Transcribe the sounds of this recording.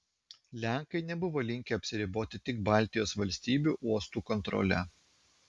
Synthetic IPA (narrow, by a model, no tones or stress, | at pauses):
lʲæˑŋkɐɪnʲɛbʊʋoːlʲɪŋʲkʲeɐpʲsʲɪɾʲɪboːt̪ʲɪt̪ʲɪk̚bɑˑlʲt̪ʲɪjoːsʋɐlʲsʲt̪ʲiːbʲuːʔuɔst̪uːkɔnt̪ɾɔ̰lʲɛ̰